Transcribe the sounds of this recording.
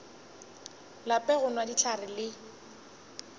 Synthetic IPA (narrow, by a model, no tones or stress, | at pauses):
lapʼɛɣʊnwadit͡ʃʰarɪlɪ